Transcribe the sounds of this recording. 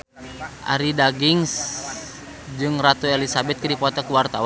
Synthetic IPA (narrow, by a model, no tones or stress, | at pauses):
ʔa̰ɾidaɡiŋs | d͡ʒɨŋrat̪uelisabɛt̪̚kəɾipɔt̪akuwart̪awa